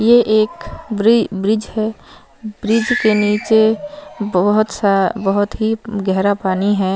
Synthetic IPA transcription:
jeʔeːkbɾɪbɾɪd͡ʒhɛː | bɾɪd͡ʒkeniːt͡ʃebɦɦʊt̪sabəɦʊt̪ɦiɡɛɦɾapaːniɦɛː

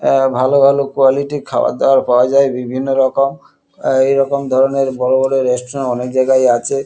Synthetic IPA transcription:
bʱalobʱalokualiʈikʰa̰wa̰d̪ɔaɾpaoad͡ʑaebibʱinːoɾɔkom | ejɾɔkomd̪ʱɔɾoneɾbɔɽobɔɽoɾesʈɾɔnɔnekd͡ʑajɡaeat͡ɕʰe

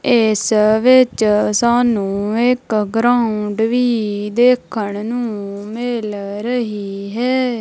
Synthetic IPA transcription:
ɪsʋɪt͡ʃsaːnũːɪkɡɾaːʊʊɳɖʋiːd̪eːkʰəɳnũːmɪlɾəɦiːɦɛː

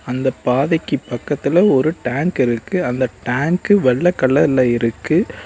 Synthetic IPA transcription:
ɐnd̪ɐpaːðɐkːipːɐkːɐt̪ːɪlɐɔɾɯʈaːŋkɪɾɯkːɯɐnd̪ɐʈaːŋkɯʋɛɭːɐkːɐɭːɐlːɐɪɾɯkːɯ

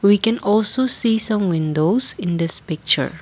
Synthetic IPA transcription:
wikɛ̃nʔɔlsosisãmwɪ̃ndosɪ̃nd̪ɪspɪk̚t͡ʃə̰˞

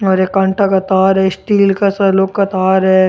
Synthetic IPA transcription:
ɔːɾekːãɳʈakɐt̪aːɾɦɛsʈiːlkasɐloːkkɐt̪aːɾɛ

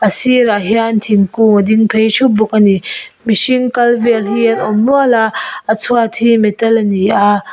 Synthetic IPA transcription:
ɐsiɾaɦiantʰiŋkumɔd̪iŋpʰejʃubukanimisiŋkɐlvelhienɔŋnualaːt͡sʰuatʰimetɐlɐnia

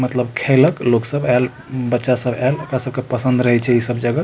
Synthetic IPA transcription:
mət̪ləbkʰeləkloksəbʱal | bətːʃasəbalokɾasəbʱkepəsə̃nd̪ɾəɦɛt͡ʃʰɛisəbʱd͡ʒəɡə

